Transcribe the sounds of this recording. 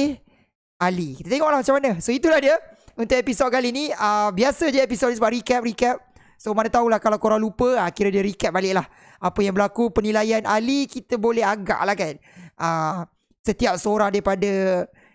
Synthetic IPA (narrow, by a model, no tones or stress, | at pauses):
eh | ʔalikit̪at̪eŋɔʔlahmat͡ʃamanəsoit̪ulahdiəunt̪ʊʔepisod̚kalinĩəbiasəd͡ʒepisotnsəbaʔɾikɛp̚rikɛp̚ | somanãt̪aulahkalawkoɾaŋlupəakiɾədiəɾikɛp̚balɪʔ̚lah | apəjaŋbəlakupənilajanʔalikit̪əbolɛɦaɡa̰ʔlahkanʔə | sət̪iap̚səoɾaŋdaɾipadə